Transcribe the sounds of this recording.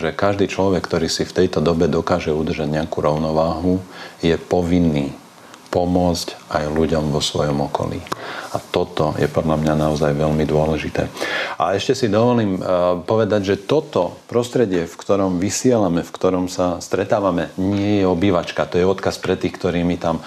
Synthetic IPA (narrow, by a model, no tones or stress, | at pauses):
ʒɛkaʒd̪iːt͡ʃlɔʋɛkːt̪ɔɾiːsift̪ɛjt̪ɔd̪ɔbɛd̪ɔkaːʒɛud̪r̩ʒaɟɲɛakuɾɔʊnɔʋaːɦujɛpɔʋinːiː | pɔmʊɔt͡scajluɟɔmʋɔsʋɔ̰jɔmɔkɔ̰lḭat̪ɔt̪ɔjɛ̰pɔd̪ʎamɲanaɔzajʋɛlmid̪ʊɔlɛʒit̪ɛ̰ːa̰ɛʃcɛsid̪ɔʋɔliːmpɔʋɛd̪aɟʒɛt̪ɔt̪ɔpɾɔst̪ɾɛɟɪɛfkt̪ɔɾɔmʋisɪɛlamɛfkt̪ɔɾɔmsast̪ɾɛt̪aːʋamɛɲɪɛjɛɔbiʋat͡ʃkat̪ɔjɛɔt̪kaspɾɛt̪ːiːxkt̪ɔɾiːmit̪am